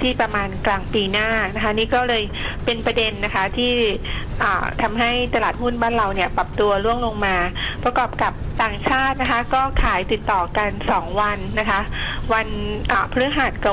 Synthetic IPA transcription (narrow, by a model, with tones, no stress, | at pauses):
t̪ʰiː˥˩pɾa˧maː˧nklaː˧ŋpiː˧naː˥˩na˦˥kʰa˦˥niː˦˥kɔː˥˩lɤː˧j | pe˧npɾa˧de˧nːa˦˥kʰa˦˥t̪ʰiː˥˩ʔaː˨˩t̪ʰa˧mɦa˥˩jt̪a˧laː˨˩t̪̚hu˥˩nbaː˥˩nɾa˧wni˥˩ɐpa˨˩p̚t̪u˧ɐɾu˥˩əŋlo˧ŋmaː˧pɾa˧kɔː˨˩p̚ka˨˩p̚t̪aː˨˩ŋt͡ɕʰaː˥˩t̪̚na˦˥kʰa˦˥kɔː˥˩kʰaː˩˦jt̪i˨˩t̪ːɔː˨˩ka˧nsɔː˩˦ŋwa˧nːa˦˥kʰa˦˥wa˧nʔaː˨˩pʰɾɯ˦˥ɦaː˨˩t̪̚ka˨˩